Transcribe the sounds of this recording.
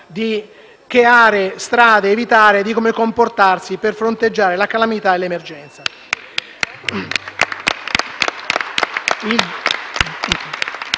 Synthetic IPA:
d̪i | keaːɾest̪ɾaːd̪eːvit̪aːɾed̪ikomekomport̪arsiperfɾont̪ed͡ʒːaːɾelakalamit̪aelemerd͡ʒɛnt̪sa | il

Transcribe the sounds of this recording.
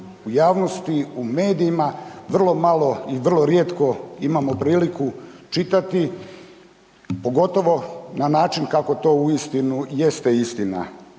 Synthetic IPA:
ujaːʋno̞st̪iume̞ːd̪iːmaʋr̩lˠo̞malˠo̞iʋr̩lˠo̞ɾjet̪ko̞imamo̞pɾiːlikut͡ʃit̪at̪i | po̞ɡo̞t̪o̞ʋo̞nanaːt͡ʃinkako̞t̪o̞ːuist̪inujest̪e̞ist̪ina̰

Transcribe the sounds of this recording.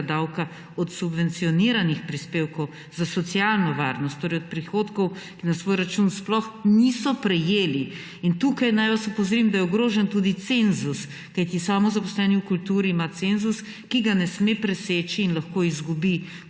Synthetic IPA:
d̪awka | ɔt̪subʋɛnt̪siɔniɾanixpɾispeːwkɔw | zasɔt̪sijalnɔʋaːɾnɔst̪t̪ːoːɾɛjɔt̪̚pɾixot̪kɔw | kinasʋoːjɾat͡ʃunsplɔxnisɔpɾɛjeːli | int̪ukajnajʋasopɔwzɾimd̪ajɛɔɡɾoːʒɛnt̪ud̪it̪senzus | kajt̪isaːmɔzapɔslɛːniukult̪uːɾiːmat̪senzus | kiɡanɛsmepɾɛseːt͡ʃiːnlɐxkoizɡubi

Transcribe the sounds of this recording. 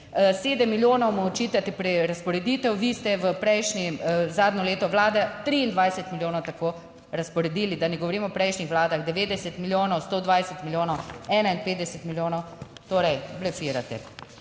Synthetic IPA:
seːd̪ɛmːiljoːnɔwmɔt͡ʃit̪at̪ɛpɾɛɾaspɔɾɛd̪it̪ɛwʋist̪ɛʋəpɾɛjʃnizaːd̪nɔleːt̪ɔʋlaːd̪at̪ɾiːnd̪ʋajsɛt̪miljoːnɐwt̪ako | ɾaspɔɾɛd̪ilid̪anɛɡɔʋɔɾiːmɔpɾɛjʃnixʋlaːd̪aɣd̪ɛʋeːd̪ɛsɛt̪miljoːnɔwst̪od̪ʋajsɛt̪miljoːnɔwɛːnainpeːt̪d̪ɛsɛt̪miljoːnɔw | t̪oːɾɛjblɛfiɾat̪ɛ̰

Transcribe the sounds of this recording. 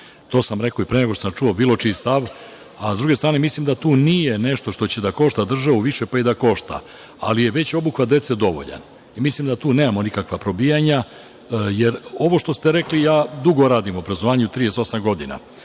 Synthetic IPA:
t̪o̞ːsamɾe̞ko̞ipɾeɲeɡot̪osamt͡ʃuobiːlo̞t͡ʂist̪aʋ | azd̪ɾuɡest̪ɾaːne̞mislimd̪at̪uːnijene̞ʃt̪o̞ʃt̪o̞t͡ɕe̞d̪ako̞ʃt̪ad̪r̩ʒaʋuʋiʃe̞paid̪ako̞ʃt̪a̰ | a̰lije̞ʋe̞t͡ɕo̞buxʋat̪d̪e̞t̪se̞d̪o̞ʋo̰ʎa̰n | imislimd̪at̪uːneːmamo̞nikakʋapɾo̞bijaɲa | jeɾo̞ʋo̞ʃt̪ost̪e̞ɾe̞klijaːd̪uɡo̞ɾaːd̪imobɾazoʋaːɲeut̪ɾijeso̞samɡo̞d̪ina̰

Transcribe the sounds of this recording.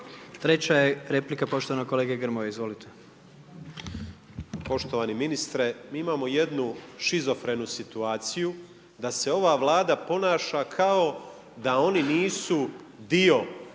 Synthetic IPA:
t̪ɾe̞t͡ɕajeɾeplikapo̞ʃt̪oʋanakoleːɡeɡɾmojeizʋo̞lit̪ʰe | po̞ʃt̪o̞ʋaniminist̪ɾemiːimaːmo̞jed̪nuʃizo̞fɾe̞nusit̪uaːt̪siju | d̪ase̞o̞ʋaʋlˠaːd̪apo̞naːʃakʰao̞ | d̪ao̞niniːsu | d̪io̞

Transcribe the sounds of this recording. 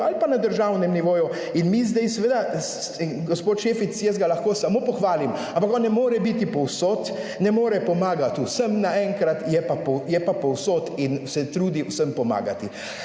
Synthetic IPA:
alipanad̪əɾʒaːwnɛmniʋoːju | inmizd̪ɛjsɛʋeːd̪as | ɡɔspoːt̪ʃeːfit̪sjəzɡalaxkoːsamopɔxʋaːlimãmpakɔnːɛmoːɾɛbit̪ipɔwsoːt̪ | nɛmoːɾɛpɔmaːɡat̪uwsəmnaɛŋkɾat̪jɛpapɔjɛpapɔwsot̪insɛt̪ɾuːd̪iusəmpɔma̰ːɡat̪i

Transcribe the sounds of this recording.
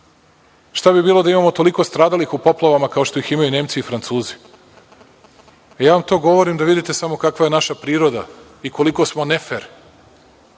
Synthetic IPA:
ʃt̪abibiːlˠo̞d̪aimamo̞t̪o̞liko̞st̪ɾaːd̪alixupo̞plˠaʋamakaoʃt̪o̞iximajune̞ːmt̪siːfɾant̪suːzi̥ | jaːʋamt̪o̞ːɡo̞ʋoɾimd̪aʋid̪it̪e̞samo̞kakʋaje̞naʃapɾiːɾo̞d̪a̰ | iko̞liko̞smo̞nefeɾ

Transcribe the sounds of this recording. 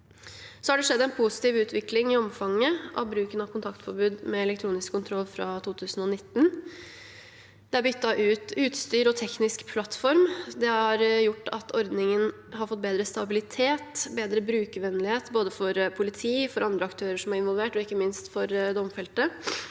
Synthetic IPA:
sɔhɑɖɛʂɛd̪ːæɛnpʰusɪ̥t̪iːʋʉːt̪ʰʋɪklɪŋɪɔmfɑŋːəʔɑ̰ʋbɾʉːkənɑʋkʊnt̪ʰɑkt̪fɔɾbʉːd̪mɛɛlɛkt̪ʰɾuːnɪskʰːʊnt̪ʰɾɔlːfɾɑt̪ʰuːt̪ʰʉːsn̩ɔnɪt̪ːn | d̪ɛæɾbʏt̪ːɑʔʉːt̪ʉːt̪st̪yːɾɔt̪ʰɛknɪskpʰlɑt̪ːfɔɾmd̪ɛhɑɾjʊʈːɑt̪ʰɔɾd̪nɪŋən | ɦɑɾfɔt̪̚ːbeːd̪ɾəst̪ɑbɪlɪt̪ʰeːt̪beːd̪ɾəbɾʉːkəʋɛnːlɪheːt̪boːd̪əfɔɾpʰʊlɪt̪ʰiːfɔɾʔɑnd̪ɾəɑkt̪ʰøːɾəʂɔmæɾɪnʋɔlʋeːʈɔɪkːəmɪnst̪fɔɾd̪ɔmfɛlt̪ə

